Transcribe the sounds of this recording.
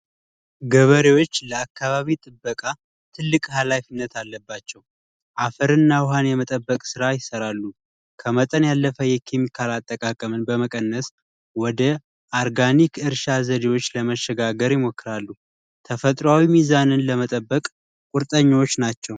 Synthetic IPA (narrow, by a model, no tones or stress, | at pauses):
ɡəβəɾewo̞t͡ʃːləakːaβaβit̪ʼɨbːəkʼa | t̪ʰɨlːɨkʼɦalafinːət̪ʰalːəbːat͡ʃːɛw | ʔafəɾɨnːawɦanjɛmət̪ʼəbːəkʼsɨɾajɪsəɾalːu | kʰəmət̪ʼənjalːəfəjɛkʰemikʰalat̪ʼːəkʼakʼəmɨnbəməkʼənːəs | wɔd̪ə | ʔaɾɡanikʰɨɾʃazəd̪ewo̞t͡ʃːləməʃːɛɡaɡəɾjɪmo̞kːɨɾalːu | t̪ʰəfət̪ʼɾoawimizanɨnləmət̪ʼəbːəkʼ | kʼʊɾt̪ʼəɲːwot͡ʃːnat͡ʃːɛw